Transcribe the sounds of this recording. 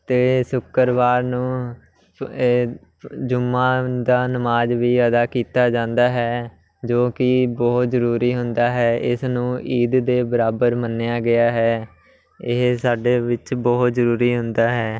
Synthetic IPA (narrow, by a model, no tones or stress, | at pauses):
t̪eːsʊkːəɾʋaːɾnũː | d͡ʒʊmːãːd̪aːnəmaːd͡ʒʋiːəd̪aːkiːt̪aːd͡ʒãːnd̪aːɦɛː | d͡ʒoːkɪbɔːt̪zəɾuːɾiːɦʊnd̪aːɦɛːʔɪsnũːʔiːd̪d̪eːbəɾaːbəɾmənːejaːɡɪaːɦɛː | ɪɦsaːɖeːʋɪt͡ʃbɔːt̪zəɾuːɾiːɦʊnd̪aːɦɛː